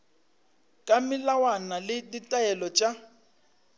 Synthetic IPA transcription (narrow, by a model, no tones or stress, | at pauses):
kʼamɪlawanalɪditʼaɛlɔt͡ʃʼa